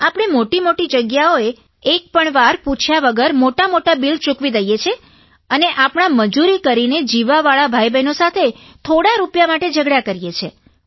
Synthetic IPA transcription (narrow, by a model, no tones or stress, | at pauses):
apɽ̃emoʈimoʈid͡ʒəɡjaoeː | k̚pəɳʋaɾput͡ʃʰjaʋəɡəɾmoʈamoʈabilt͡ʃukʋid̪əjet͡ʃʰe | əneʔapɳ̃aməd͡ʒuɾikəɾined͡ʒiʋaʋaɭabʱajbʱəjnosat̪ʰe | t̪ʰoɽaɾupjamaʈed͡ʒəɡɽakəɾijet͡ʃʰe